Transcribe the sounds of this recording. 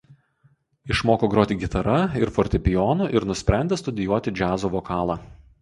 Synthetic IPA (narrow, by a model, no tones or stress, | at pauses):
ɪʃmoːkoːɡɾoːt̪ʲɪɡʲɪt̪ɐɾɐɪɾfɔɾʲt̪ʲɪpʲɪjɔːnuːʔɪɾnʊsʲpʲɾʲæˑnʲd̪ʲeːst̪ʊd̪ʲɪjuɔt̪ʲɪd͡ʒʲæːzoʋɔkɑːlˠɑ